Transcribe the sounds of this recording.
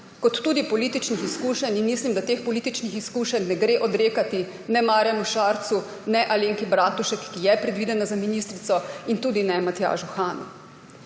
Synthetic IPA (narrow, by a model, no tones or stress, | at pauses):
kɔt̪ːuːd̪ipɔliːt̪it͡ʃnixiskuːʃɛninmislimd̪at̪eːxpɔliːt̪it͡ʃnixiskuːʃɛnːɛɡɾeːʔɔd̪ɾeːkat̪i | nɛmaːɾjɛmuʃaːɾt̪su | nɛʔaleːŋkibɾaːt̪uʃɛkːijɛpɾɛd̪ʋiːd̪ɛnazaminist̪ɾit̪sɔint̪uːd̪inɛmat̪ja̰ːʒuxaːnṵ